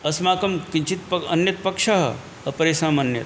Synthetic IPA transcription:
ɐsmaːkɐmkiɲt͡ʃit̪̚pɐɐ̰njɐt̪̚pɐkʂɐɦɐ̰ | ɐpɐɾeːsaːmɐnjɐ̰t̪

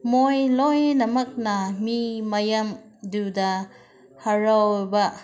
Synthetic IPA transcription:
mojlojnɐmɐk̚nɐmimɐjɐm | dudɐ | hɐɾawbɐ

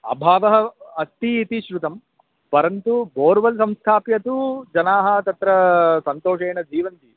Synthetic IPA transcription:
ɐ̰bʱaːʋɐɦɐɐst̪iːt̪iʃɾut̪ɐm | pɐɾɐnt̪uboːɾʋɐlsɐmst̪ʰaːpjɐt̪ud͡ʒɐnaːɦɐt̪ɐt̪ɾɐsɐnt̪oːʂeːɳɐd͡ʒiːʋɐnt̪i

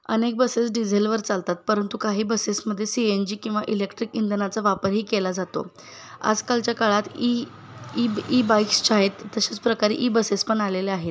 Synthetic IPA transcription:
ə̰nek̚bəsesɖid͡zʱelʋəɾt͡salt̪at̪̚pəɾənt̪ukaɦiːbəsesməd̪ʱːjesiend͡ʑiːkĩw̃ʋaʔilekʈɾikind̪nat͡saʋapəɾɦiːkelad͡zat̪o̰ | a̰d͡zkalt͡ɕjakaɭat̪i | ibajkst͡ɕaɦet̪ːəɕet͡spɾəkaɾḭʔibəsespəɳaleleaɦet̪

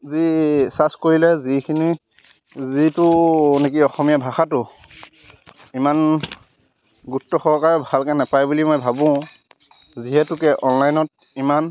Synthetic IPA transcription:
zisaskoɹilɛzikʰini | zitʊnek̬iɔxɔmijabʱaxatʊ | iman | ɡutːɔxɔɹkaɹɛbʱalkɛnɛpajbulimɔjbʱabʊ̃ | ziɦɛtʊkɛʔɔnlajnɔt̚ | iman

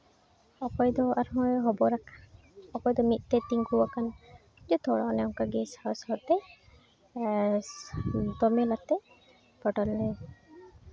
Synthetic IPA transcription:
ɔpɔjd̪ɔaɾɦɔjɦɔbɔɾakʰḁ | ɔpɔjd̪ɔmit̪̚ˀt̪ɛt̪iŋuwakan | d͡ʒɔt̪ʰɔɽɔnɛɔŋkaɡɛsawsaɔɾt̪ɛ | d̪ɔmɛlat̪ɛ | pɔʈɔlːɛ

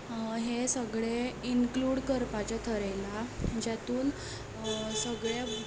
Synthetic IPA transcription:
ɦesəɡɭeinkluːɽkəɾpat͡ɕjat̪ʰəɾajlad͡ʑjat̪uːn | səɡɭa

